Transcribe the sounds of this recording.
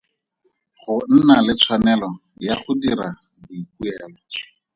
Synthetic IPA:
χʊn̩nalɪt͡sʰwanɛlɔjaχʊdiɾa | bʊik̚uɛːlɔ

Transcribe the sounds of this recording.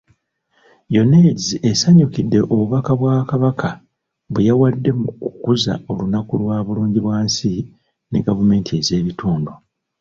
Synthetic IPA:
jo̞ne̞ːɟiʔesaɲukidːe̞ʔoβuβakaβwaːkaβakʰa | βejawadːe̞mukukuza̰o̞lunakulwaːβuluːɲɟiβwaːnsi | ne̞̰ɡavume̞ːntʰieze̞ːβituːndu

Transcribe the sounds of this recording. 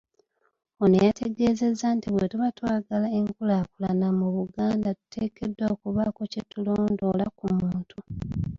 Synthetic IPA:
o̞nejatʰe̞ɡe̞ːze̞zːantiβwe̞tuβatwaːɡalae̞ŋkulaːkulanamuβuɡaːndatu̥tʰe̞ːke̞dːoːkuβako̞cetulo̞ːndo̞lakumuːntu

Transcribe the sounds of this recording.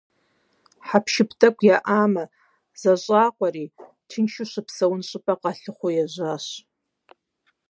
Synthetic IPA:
ħapʰʃɪpʰdakʷʼjaʔama | zaʒʷʼaːqʷʼari | tʰɨnʃʊʃʷɨpʰsawʊnɕʼɨpʼaqʼaɬɨχʷojaʒʷaʃ

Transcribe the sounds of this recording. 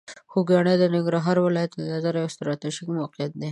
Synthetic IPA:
xoɡɑɽed̪ənɪŋɡɾɑɦɑɾwɪlɑjat̪əd̪azaɾaɪst̪ɾɑt̪iʒɪkmawɑqijat̪̚d̪e

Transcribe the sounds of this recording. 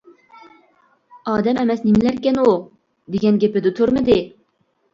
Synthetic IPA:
ɑːd̪ɛmɛmɛsnɪmɪlæɾkʲɛnu | d̪eɡʲɛnɡʲepɪd̪ɨt̪ʰøɾmɪd̪ɪ

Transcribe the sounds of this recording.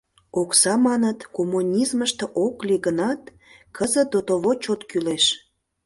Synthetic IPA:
oksɑmɑnət̪komːunʲizməʃt̪oʔokliɣənɑt̪̚ | kʰəzəd̪ot̪oβot͡ɕot̪kyleʃ

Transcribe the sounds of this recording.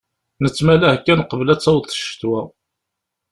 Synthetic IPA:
nət͡sːmælæhkːænqəvəlæt͡sːɑwθˤə̥ʃt̪wæ

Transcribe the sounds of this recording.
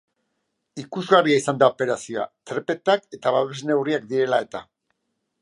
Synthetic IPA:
ikuzɣariaisand̪aope̞ɾasioa̰t̪ɾe̞pe̞t̪ake̞t̪aβaβezne̞wriak̚d̪iɾe̞lae̞t̪a

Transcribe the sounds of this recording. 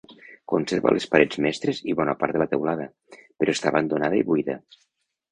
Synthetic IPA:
konseɾβa̰lespaɾɛd͡zmɛst̪ɾeziβɔnapaɾt̪ðəlat̪əwlaðə | peɾʔɔest̪aːβand̪onaðəiβuiðə̰

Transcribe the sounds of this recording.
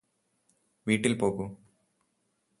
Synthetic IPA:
ʋiːʈːilpo̞ːɣu

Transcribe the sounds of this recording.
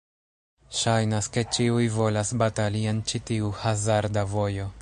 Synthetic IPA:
ʃajnaske̞t͡ʃiujvo̞lasbatalie̞nt͡ʃitiuhazaɾdavo̞jo̞

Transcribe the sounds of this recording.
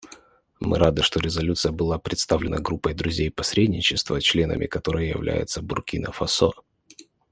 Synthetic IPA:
mɨ̰ɾad̪ɨʂt̪o̞ɾʲɪzɐlʲut̪sɨjəbɨlˠapɾʲɪt̪st̪avlʲɪnə̰ɡɾupːəjd̪ɾʊzʲejpɐsʲɾʲedʲnʲɪt͡ɕɪst̪vət͡ɕlʲe̞nə̰mʲɪ̰kɐt̪o̞ɾɨjəjɪ̰vlʲæ̰jɪ̰t̪səbʊrkʲinəfɐso

